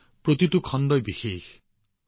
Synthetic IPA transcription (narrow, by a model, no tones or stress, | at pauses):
pɾot̪itukʰɔndɔjbixex